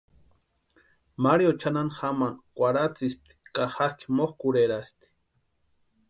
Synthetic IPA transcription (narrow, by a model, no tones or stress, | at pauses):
maɾjot͡ʃananxamankʷaɾat͡sisp̚t̪i̥kʼaxahki̥moxkuɾeɾast̪i̥